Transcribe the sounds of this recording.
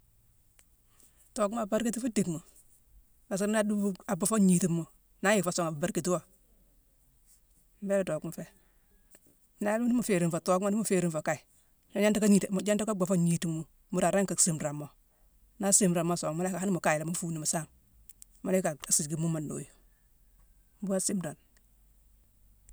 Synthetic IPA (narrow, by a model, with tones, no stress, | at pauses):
to˨ka˨˦ba˦ɾki˦ti˦fa˦de˨kmu˨ | ba˨si˦ɾna˦du˦a˨ba˨fo˦ɲi˨ti˦mːu˨ | na˦ji˦˨fa˨so˨ŋa˨ba˨ba˨ɾki˨ti˦wo˦˨ | m̩˦be˦lto˨ku˦m˨fe˦˨˦ | na˦lni˦mu˨fe˨ɾi˨mfa˨to˨kma˦ni˦mu˨fe˨ɾi˦nfo˨ka˦i˨ | na˨˦ɲa˦nta˦ka˦i˨td͡ʒa˦nta˦ka˦ba˨fo˦ɲi˨ti˨mːu˦ | mu˨ɾa˨ɾa˦ŋka˨si˨mɾa˨mo˨ | na˦si˦mɾa˨ma˦˨so˨ŋma˦a˦ka˨ha˦ni˦mu˨ka˨ji˨la˨mu˦fu˨ni˨ma˨sa˦ŋ | ma˦le˦ka˨a˨si˨ɡi˦mu˦ma˨no̰ː˨ju˨˦ | bu˦a˦si˦mɾa˨n